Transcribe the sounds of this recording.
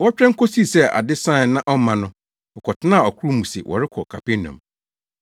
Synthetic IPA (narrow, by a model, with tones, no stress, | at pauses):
wɔ˦t͡ɕᶣɾɛ˦ŋ̩˦kʰo˦si˦˨sɛ˦˨a̰˨dɪ˦sã˦˨nã˦ʔɔ˦mã˨nʊ̃˦ | ɔ˨kʰɔ˨tʰɪ˦nã˦˨ɔ˨kʰu˦ɾu˦mũ˨sɪ˨wɔ̰˨ɾɪ˦kʰɔ˨kʰa˨pɪ˦nã̰˨m